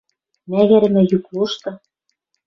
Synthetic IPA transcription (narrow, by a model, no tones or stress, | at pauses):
mæɣɘ̆ɾɘ̆mɘ̆jukluʃt̪ɤ̆